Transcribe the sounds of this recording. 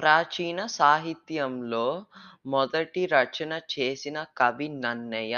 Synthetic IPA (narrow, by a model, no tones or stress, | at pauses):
pɾaːt͡ʃiːnɐsaːɦit̪jɐmlo̞ːmɔd̪ɐʈiɾɐt͡ʃɐnɐt͡ʃeːsinɐkɐbinɐnːɐjɐ